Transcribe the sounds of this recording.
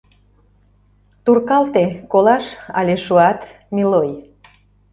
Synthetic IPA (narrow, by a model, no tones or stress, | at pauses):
t̪urkɑlt̪ekolɑʃɑ̰lʲeʃuɑt̪ | miloj